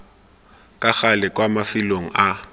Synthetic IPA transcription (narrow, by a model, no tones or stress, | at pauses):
kʼaxalɪkʼwamafɪloŋ̩a